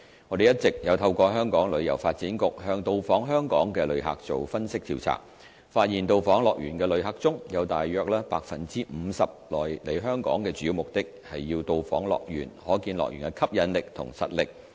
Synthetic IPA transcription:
ŋɔː˨˧d̪e˨jɐ˥t̚t͡sɪ˨k̚jɐ˨˧wt̪ʰɐ˧wkʷɔː˧ɦœː˥ŋkɔː˨˥ŋlɵ˨˧ɥjɐ̰˨˩wfaː˧t̚t͡siː˨˥nkʊ˨k̚hœː˧ŋt̪o˨˧wfɔː˨˥ŋɦœː˥ŋkɔ̰ː˨˥ŋkɛː˧lɵ˨˧ɥɦa̰ː˨k̚t͡so̰˨wfɐ˥nsɪ˥k̚t̪iː˧˩wt͡sʰa̰ː˨˩k̚ | faː˧t̚jiː˨˩nt̪o˨wfɔː˨˥ŋlɔː˨k̚jyː˨˩nkɛː˧lɵ˨˥ɥɦaː˨˧k̚t͡sʊ˥ŋjɐ˨˧wt̪aː˨jːœː˨˧k̚lɛː˥pa̰ː˧k̚fɐ˨nt͡siː˥m̩˨˧sɐ˨p̚lɔː˨jle˨˧jɦœː˥ŋkɔ̰ː˨˥ŋkɛː˧t͡sy˨˥jiː˧wmʊ˨k̚t̪ɪ˥k̚hɐ˨jːiː˧wt̪o˨˧wfɔ̰ː˨˥ŋlɔ̰ː˨k̚jy̰ː˨˩nhɔː˨˥kiː˧nlɔ̰˨k̚jy̰ː˨˩nkɛ˧˥kʰɐ˥p̚jɐ˨˧nlɪ˨k̚t̪ʰʊ̰˨˩ŋsɐ̰˨t̚lɪ˨k̚

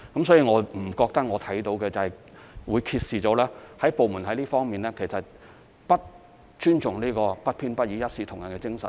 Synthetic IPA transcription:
kɐ˨˥msɔː˨˥jiː˨ŋɔː˨˧m̩˨˩kɔː˧k̚t̪ɐ˥k̚ŋɔː˨˧t̪ʰɐ˨˥jt̪o˨˥wkɛ˧t͡sɐ˨hɐ˨j | wuː˨˧jkʰiː˧t̚siː˨t͡so˨˥wlɛː˥hɐ˨˥jpo˨wmu˨˩nɦɐ˨˥jliː˥fɔː˥ŋmiː˨nlɛː˥kʰe˨˩jsɐ˨t̚ | pɐ˥t̚ | t͡ʃyː˥nt͡ʃʊ˨ŋliː˥kɔː˧pɐ˥t̚pʰiː˥npɐ˥t̚jiː˨˥jɐ˥t̚siː˨˥t̪ʰʊ˨˩ŋjɐ˨nkɛː˧t͡sɪ˥ŋsɐ˨˩

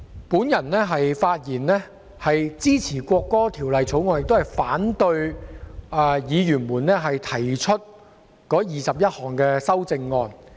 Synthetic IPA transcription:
puː˨˥njɐ˨˩nlɛː˥ɦɐ˨jfaː˧t̚jiː˨˩nlɛː˥ | hɐ˨jt͡siː˥t͡sʰiː˨˩kʷɔː˧kːɔː˥t̪ʰiː˨˩wlɐ˨jt͡sʰo˨˥wŋɔː˧njɪ˨k̚t̪o˥hɐ˨jfaː˨˥nt̪ɵ˧ɥ | ɛ˧˩jiː˨˧jyː˨˩nmuː˨˩nlɛː˥ɦɐ˨jt̪ʰɐ˨˩jt͡ʃʰɵ˥t̚ | kɔː˨˥jiː˨sɐ˨p̚jɐ˥t̚hɔː˨˩ŋkɛː˧sɐ˥wt͡sɪ˧ŋːɔː˧n

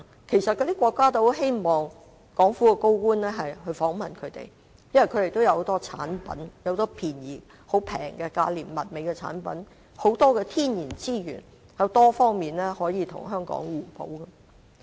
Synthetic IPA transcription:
kʰe˨˩jsɐ˨t̚kɵ˧t̪iː˥kʷwɔː˧kːaː˥t̪o˥ɦe˥jmɔː˨˩ŋ | kɔː˨˥ŋfuː˨˥kɛ˧ko˥wkuː˥nlɛː˥ɦɐ˨jɦɵ˧ɥfɔː˨˥ŋmɐ˨nkʰɵ˨˧t̪ḛ˨˩j | jɐ˥nwɐ˨˩kʰɵ˨˧t̪e˨jt̪wjɐ˧who˨˧wt̪ɔː˥t͡sʰa̰ː˨˥npɐ˨˥njwho˧t̪ɔː˥pʰiː˨˩njiː˨˩ | ho˨˧˥wpʰɛ̰ː˨˩ŋkɛ˧ka̰ː˧liː˨˩nmɐ˨t̚me˨˧jkɛ˧t͡sʰa̰ː˨˥npɐ̰˨˥n | ho˨˥wt̪ɔː˥kɛː˧t̪ʰiː˥njiː˨˩nt͡siː˥jy̰ː˨˩n | jɐ˨˧wt̪ɔː˥fɔː˥ŋmiː˨˩nlɛː˥hɔː˨˥jiː˨˧t̪ʰʊ̰˨˩ŋɦœː˥ŋkɔ̰ː˨˥ŋwuː˨˩po̰˨˥wkɐ˧

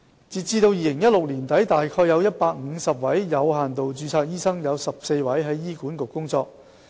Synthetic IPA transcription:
t͡siː˨t̚t͡siː˧t̪o˧wjiː˨˧lɪ˨˩ŋjɐ˥t̚lʊ˨k̚liː˨˩nt̪ɐ˨˥jt̪aː˨jkʰɔː˧jɐ˨˧wjɐ˥t̚paː˧k̚ŋ̩˨˧sɐ˨p̚wɐ˨˥jjɐ˨˧wɦaː˨˩nt̪o˨wt͡ʃyː˧t͡sʰaː˧k̚jiː˥sɐ˥ŋjɐ˨˧wsɐ˨p̚se˧jwɐ˨˥jɦɐ˨˥jːiː˥kuː˨˥nkʊ˨kːʊ˥ŋt͡sɔː˧k̚

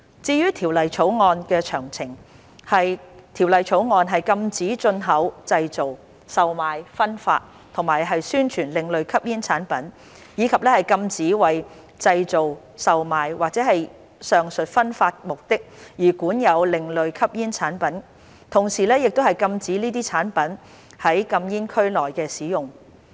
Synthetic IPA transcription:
t͡siː˧jyː˥t̪ʰiː˨˩wlɐ˨jt͡ʃʰo˨˥wŋɔː˧nkɛː˧t͡ʃʰœː˨˩ŋt͡sʰɪ˨˩ŋ | hɐ˨jt̪ʰiː˨˩wlɐ˨jt͡ʃʰo˨˥wŋɔː˧nɦɐ˨jkɐ˧mt͡siː˨˥t͡sɵ˧nɦɐ˨˥wt͡sɐ˧jt͡so˨w | sɐ˨wmaː˨jfɐ˥nfa̰ː˧t̚ | t̪ʰʊ˨˩ŋmaː˨˩jɦɐ˨jsyː˥nt͡ʃʰyː˨˩nlɪ˨ŋlɵ˨ɥkʰɐ˥p̚jiː˥nt͡sʰaː˨˥npɐ˨˥n | jiː˨˧kʰɐ˨p̚lɛː˥hɐ˨jkɐ˧mt͡siː˨˥wɐ˨˩j | t͡sɐ˧jt͡so˨w | sɐ˨wmaː˨jwaː˨k̚t͡sɛː˨˥hɐ˨j | sœː˨˩ŋsɵ˨t̚fɐ˥nfaː˧t̚mʊ˨k̚t̪ɪ˥k̚jiː˨˩kuː˨˥njɐ˨˧wlɪ˨ŋlɵ˨ɥkʰɐ˥p̚jiː˥nt͡sʰaː˨˥npɐ˨˥n | t̪ʰʊ˨˩ŋsiː˨lɛː˥jɪ˨k̚t̪o˥whɐ˨jkɐ˧mt͡siː˨˥niː˥t̪iː˥t͡sʰaː˨˥npɐ˨˥n | hɐ˨˥jkɐ˧mjiː˥nkʰɵ˥ɥlɔː˨jkɛː˧siː˨˥jʊ˨˩ŋ

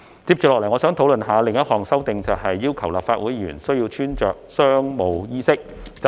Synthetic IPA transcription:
t͡si˧p̚t͡ɕyː˨klɔː˨lɐ˨˩jŋɔː˨˧sœː˨˥ŋt̪ʰo˨˥wlɵ˨nɦaː˨˧lɪ˨ŋjɐ˥t̚hɔː˨ŋsɐ˥wt̪ɪ˨ŋt͡sɐ˨wɦɐ˨jːiː˥wkʰɐ˨˩wla̰ː˨p̚faː˧t̚wuː˨˥jyː˨˩nsɵ˥ɥjiː˧t͡ʃʰyː˥nt͡ʃœ̰ː˨k̚sœː˥ŋmo˨˧wjiː˥sɪ˥k̚

